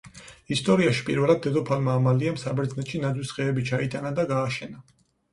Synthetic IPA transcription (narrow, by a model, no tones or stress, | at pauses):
ist̪ʼɔɾiaʃi̥pʼḭɾvɛlˠad̪ːɛd̪ɔpʰalmaːmaliamsabɛɾd̪znɛt̪ʃinad̪zwisʁɛːbit͡ʃʰait̪ʼanad̪aɡaːʃɛna